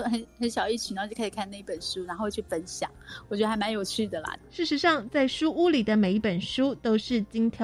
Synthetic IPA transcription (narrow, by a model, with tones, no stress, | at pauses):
xə˧˥nxə˧˦nɕjɑ˨˩ʊi˥˩t͡ɕʰi˨˥nɑ˥˧t͡ɕʰo˥˩kʰa˥ʂkʰa˥˧na˥˩˧i˥pə˨˩nʂu˦˥na˧˥nxo˥˧ʊt͡ɕʰy˥˩fə˥nɕjɑ̰˨˩˦ŋwɔ˨˩t͡ɕɥɛ˧˥də˧xa˧˥ɪma˧˦njo˨˩ʊt͡ɕʰy˥˩d̪ə˨˩lɐ̰˨˩ʂɻ̩˥˩ʂɻ̩˧˥ʂɑ˥˧ŋt͡sa˥˩ɪʂu˥ʔu˥li˨˩d̪ə˦me˨˩ɪi˥˩pə˨˩nʂu˥t̪o˥ʊʂɻ̩˥˩t͡ɕi˥ŋt̪ʰjɑ˧